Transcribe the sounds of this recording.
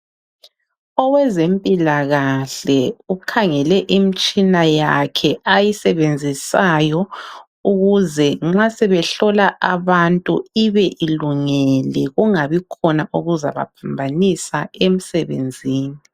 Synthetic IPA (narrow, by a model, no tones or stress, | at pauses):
ɔwɛzempʼilaɣaɬɛukʰaŋɛlɛʔimit͡ʃʼinajakʰɛajisɛβend͡zʱisajɔ | uɣuzɛŋ͡ǁasɛβɛɬɔlaʔaβantʼuiβɛʔiluŋɛlɛɣuŋaβikʰɔnaʔuɣuza̰βa̰pʰambʱanisaem̩sɛβḛnd͡zʱiːni